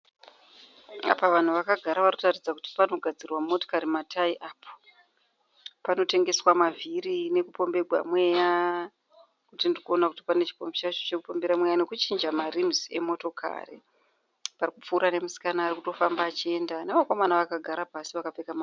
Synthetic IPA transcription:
a̰paʋan̤uʋakaɡʱaɾaʋanotarid͡zakuti̥pano̞ɡʱad͡zirwamo̞tokaɾimatʰaiʔaːpʰo̥ | pano̞te̞ŋɡe̞swamavʱiɾine̞kupo̞mbe̞ɡʱwa̰mwe̞ja | kutindirikuo̞nakuti̥panet͡ʃi̥po̞mbit͡ʃait͡ʃot͡ʃe̞kupo̞mbe̞ɾamwe̞jane̞kut͡ʃind͡ʒamarimzie̞̰mo̞to̞kʰa̰rḛ | parikup͡fuːɾane̞musi̥kanaːrikuto̞fambaːt͡ʃie̞ndanemako̞manaʋakaɡʱaɾapasiʋakapekama

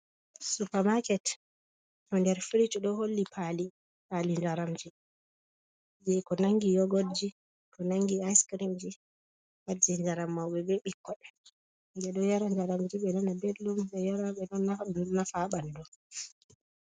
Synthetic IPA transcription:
supamakɛt | ʔɔndɛɾfiɾit͡ʃuɗɔholːipʰali | palind͡ʒaɾamd͡ʒi | d͡ʒɛkɔnaŋɡijɔɡɔd͡ʒi | kɔnaŋɡiajskɾimd͡ʒi | wad͡ʒɛnd͡ʒaɾamːawɓɛbɛɓikːɔɗɛ | ndɛɗɔjaɾand͡ʒaɾamd͡ʒiɓɛnanabelumɓɛjaɾaɓɛɗɔnaːafaɓandɔ

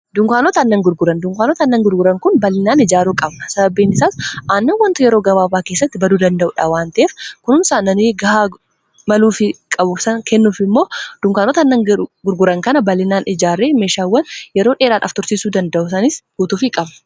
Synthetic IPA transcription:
d̪ʊŋkʷaːnɔt̪ɐnːɐŋɡʊɾɡʊɾɐnd̪ʊŋkʷaːnɔt̪ɐnːɐŋɡʊɾɡʊɾɐŋkʊnbɐlːɪnaːnɪd͡ʒaːɾuːkʼɐbnɐsɐbɐbːiːnɪsaːsʔaːnːɐnwɐnt̪ʊjɛɾo̞ːɡɐbaːbaːkeːsːɐt̪ːɪbɐd̪uːd̪ɐnd̪ɐʔʊᶑaːwaːnt̪ɐʔeːfkʊnʊnsaːnːɐniːɡɐhaː | mɐluːfɪkʼɐbʊfsɐnkʰɛnːuːfɪmːo̞ːd̪̥ʊŋkʷaːnɔt̪ɐnːɐŋɡʊɾɡʊɾɐŋkɐnɐbɐlːɪnaːnɪd͡ʒaːrːeːme̞ːʃaːwːɐnjɛɾoːᶑe̞ːɾaːᶑɐ̰ft̪ʊɾsɪsuːd̪ɐnd̪ɐʔʊsɐnɪsɡ̥uːt̪uːfɪkʼɐbnɐ̥

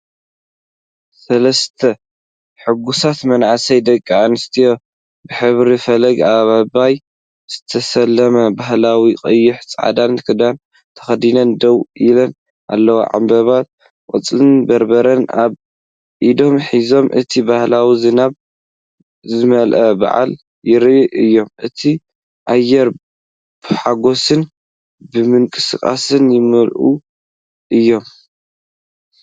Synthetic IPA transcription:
sɐlɐst̪ʰɐ | ħɨɡusat̪mɐnʕasɐjd̪ɐkʼːʕanɨst̪ʰijo̞ | bɨħɨβɾifɐlɐɡaβabaj | z̥ɨt̪ʰɐsɐlːɐmɐbaɦlawikʼɨjːʊħt͡sʼʕa̰d̪ankʰɨd̪an | t̪ʰɐ̥xɐd̪inɐnd̪ɐwʔilɐn | ʔa̰lːɐwo̰ʕa̰mbɐβat̪̚ | kʼɨt͡sʼlɨnbɐɾbɐɾɐnʔaβ | ʔid̪o̞mħizo̞mʔɨ̰t̪ʰibahlawizɨnaβ | zɨmɐlʔɐba̰ʕa̰l | jɪɾʔɨjːo̞mʔɨt̪ʰi | ʔajːɛɾ | b̥ɨħaɡo̞sɨn | bɨmɨŋkʼɨsɨkʼa̰sɨnjɪmɨlʔṵ | ʔɨjːo̞m

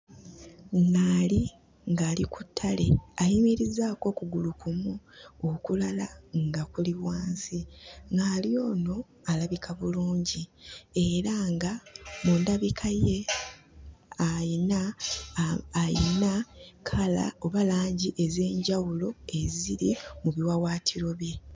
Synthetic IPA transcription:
ŋɡali | ŋɡaːlikʰutʰːale̞ajimiɾizaːko̞ːkuɡulukumuokulalaŋɡakuliβwaːnsiŋɡaːlio̞ːno̞ | alaβikʰaβuluːɲɟie̞ɾaŋɡamundaβikʰaje | aina | jinakʰala̰o̞βalaːɲɟiʔe̞ze̞ːɲɟawulo̞e̞ziɾimuβiwawaːtʰiɾo̞βje̞

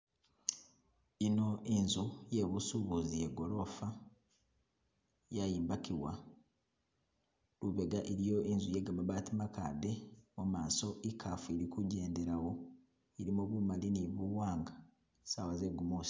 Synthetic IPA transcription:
ino̞enzujeβusuβuzijeɡo̞lo̞fa | jajiːmbakiwa | luβe̞ɡaʔiɾijo̞enzujeɡamaβaːtimaka̰ːde̞mumaːso̞ʔikʰaːfueɾikuɟe̞ːnde̞ɾawo̞ | iɾimuβumaliniβuwaːŋɡa | sawazeɡumusi̥

